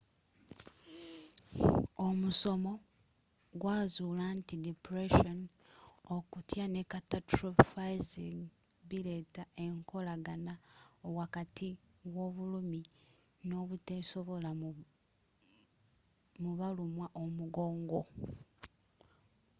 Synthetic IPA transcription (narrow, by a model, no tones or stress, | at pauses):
o̞muso̞mo̞ | ɡwaːzuːlaːntidipɾeʃon | okutjane̞katatɾofajziŋβiɾe̞tae̞ŋkʰo̞laɡanaowakatʰiwo̞ːβulumi | no̞ːβuteso̞βo̞la | muβalumwaʔomuɡo̞ːŋɡo̞